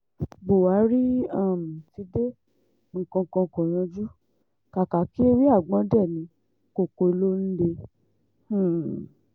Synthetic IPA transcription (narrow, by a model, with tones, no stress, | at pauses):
bo˨wa˨˦ɾi˦a˦˨m̩˨ti˧˦de˦ | ŋ̩˨kɔ̃˧ŋ˧kɔ̃˧˨kɔ̃˨ɾ̃ã˧d͡ʒu˦ | ka˨ka˨ki˦e˦wi˦a˦˨ɡ͡bɔ̃˨˧˦dɛ˦˨nĩ˨˧˦ | ko˨ko˧lo˦n̩˦de˧ | h̩˦˨